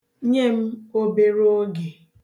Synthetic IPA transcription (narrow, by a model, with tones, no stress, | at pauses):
ɲe˦m̩˦o˦be˨ɾo˦ɡe˨